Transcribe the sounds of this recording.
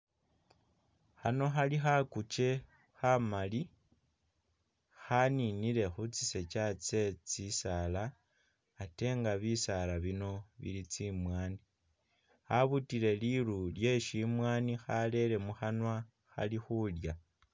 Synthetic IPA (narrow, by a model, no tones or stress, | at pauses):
xano̞xalixakut͡ʃe̞ | xamali | xaninile̞xut͡sise̞t͡ʃat͡se̞t͡sisalaː | te̞ŋɡaβisalaβino̞βḭlit͡simwaːni | xaβutile̞lilulje̞ʃimwaːnixale̞le̞muxanwa | xa̰lixulja